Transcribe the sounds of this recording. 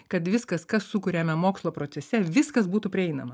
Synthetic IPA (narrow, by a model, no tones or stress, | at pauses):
kɐt̪ʋʲɪskɐskɐssukʊɾʲeːmʲɛmoːkslˠoːpɾoːt̪sʲɛsʲɛʋʲɪskɐsbuːt̪upʲɾʲɪɛɪnɐmɐ